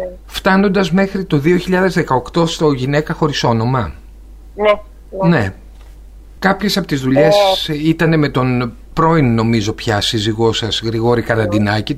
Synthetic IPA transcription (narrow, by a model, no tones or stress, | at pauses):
ft̪ɐno̞nd̪ɐzme̞xɾit̪oðio̞çiʎɐðe̞zðe̞kɐokt̪o̞st̪o̞ʝine̞kɐxo̞ɾiso̞no̞mɐ | ne̞ | kɐpçe̞sɐpot̪izðuʎe̞ssit̪ɐne̞me̞t̪o̞n | pɾo̞inːo̞mizo̞pçɐsiziɣo̞sɐsɣɾiɣo̞ɾikɐɾɐnd̪inɐci